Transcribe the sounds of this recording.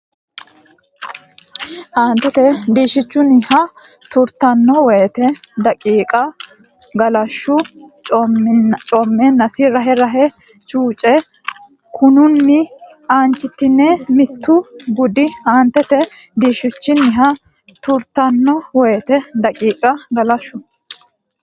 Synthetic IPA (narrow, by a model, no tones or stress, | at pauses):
haːnt̪ɛt̪ɛd̪iːʃɪt͡ʃːʊnɪhɐ | t̪ʊɾt̪ɐnːɔwɔjt̪ɛd̪ɐkʼiːkʼɐ | ɡɐlɐʃːʊt͡ʃʼɔt͡ʃʼɔmːɛnɐsɪɾɐɦɛɾɐɦɛ | t͡ʃʼuːt͡ʃʼɛ | kʰʊnʊnːɪ | aːnt͡ʃːɪt̪ːɪnːɛmɪt̪ːʊɡʊd̪ɪhaːnt̪ːɛt̪ɛ | d̪iːʃʊt͡ʃːɪnɪɦɐ | t̪ʊɾt̪ːɐnːɔwɔjt̪ɛd̪ɐkʼiːkʼɐɡɐlɐʃːʊ